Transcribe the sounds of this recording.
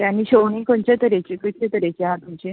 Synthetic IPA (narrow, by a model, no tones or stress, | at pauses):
t̪janːiːɕowɳikoɳt͡ɕet̪əɾet͡ɕikit̪ʰet̪əɾet͡ɕiɦãt̪umt͡ɕi